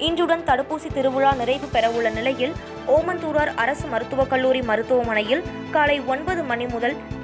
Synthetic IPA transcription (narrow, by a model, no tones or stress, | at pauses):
ɪɲd͡ʒɯɽɐnt̪ɐɽɯpːuːsit̪ɪɾɯʋɯɻaːnɪɾɐɪʋɯpɛɾɐʋɯɭːɐnɪlɐjɪl | oːmɐnt̪uːɾaːɾɐɾɐsɯmɐɾɯt̪ːɯʋɐkɐɭːuːɾimɐɾɯt̪ːɯʋɐmɐnɐjɪl | kaːlɐɪɔnbɐðɯmɐnimʊðɐl